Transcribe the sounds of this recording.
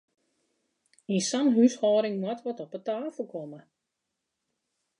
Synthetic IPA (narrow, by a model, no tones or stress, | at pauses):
insanɦyshɔːɾɪŋmwɔtʋɔtɔpətaːfl̩ˠkʰomə